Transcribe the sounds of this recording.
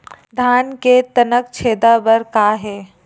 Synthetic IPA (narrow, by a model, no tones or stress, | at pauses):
d̪ʱaːnket̪ɐnəkt͡ʃʰeːd̪aːbɐɾkaːɦeː